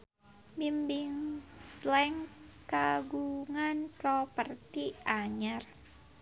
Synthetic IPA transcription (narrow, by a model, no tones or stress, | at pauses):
bimbiŋslɛŋkaɡuŋant̪ɾɔpərt̪iʔaɲər